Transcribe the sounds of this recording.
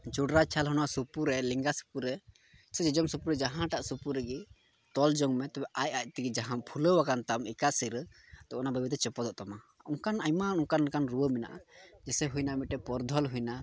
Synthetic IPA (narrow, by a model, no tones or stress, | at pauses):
d͡ʒuɖɾat͡ʃʰalɦɔnwasupuɾɛliŋɡasu̥puɾɛ | sɛd͡ʒid͡ʒɔmsupuɾɛd͡ʒaɦãʈaʔsupuɾɛɡi | t̪ɔld͡ʒɔŋmɛt̪ɛbɛʔajac̚ˀt̪iɡid͡ʒaɦãpʰuləwakant̪amikasiɾə | ɛbɛʔɔnabəbɛt̪ɛt͡ʃɔpɔd̪ɔʔt̪ɔma | uŋkanajmanuŋkankanɾuwəmina̰ʔad͡ʒɛsɛɦujnamiʈɛpɔɾd̪ʱɔlɦujna